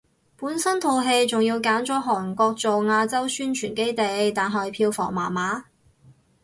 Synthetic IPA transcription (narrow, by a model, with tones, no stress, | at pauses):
puː˨˥nsɐ˥nt̪ʰo˧wɦe˧jt͡sʊ˨ŋjiː˧wkaː˨˥nt͡ʃɔː˨˥ɦɔː˨˩ŋkɔː˧k̚t͡so˨wŋaː˧t͡sɐ˥wsyː˥nt͡ʃʰyː˨˩nke˥jt̪e˨jt̪aː˨nɦɐ˨˩jpʰiː˧wfɔ̰ː˨˩ŋmaː˨˩nmaː˨˥